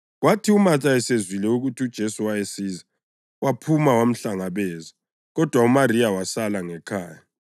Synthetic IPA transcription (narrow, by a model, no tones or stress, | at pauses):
ɣwatʰiumat͡ʃʼaɛsezwilɛuɣutʰiud̥ʒ̥ʱesuwajesiːza | wapʰumawam̩ɬaŋaβɛːza | ɣɔd̥ʱwaumariawasalaŋɛkʰaːja